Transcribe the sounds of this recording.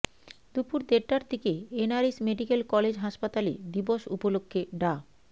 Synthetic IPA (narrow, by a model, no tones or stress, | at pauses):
d̪upuɾd̪eɾʈaɾt̪ʰekeenaɾesmeɖikelkɔled͡ʑɦaʃpat̪alḛd̪iboʃupolokʰːeɖa